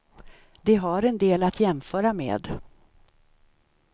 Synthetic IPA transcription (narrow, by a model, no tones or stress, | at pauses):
d̪ɛɦaɾɛnd̪eːlat̪jɛmfœːɾamḛːd̪